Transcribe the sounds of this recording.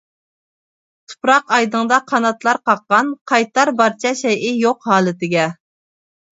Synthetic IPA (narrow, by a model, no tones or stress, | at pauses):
t̪ʰu̥pɾɑqɑjd̪əŋd̪ɑqʰɑnɑt̪lˠɑɾqʰɑqːɑnqʰɑjt̪ɑɾbɑɾt͡ʃʰɛʃɛjɪjoqɦɑːlˠɨt̪ɪɡʲɛ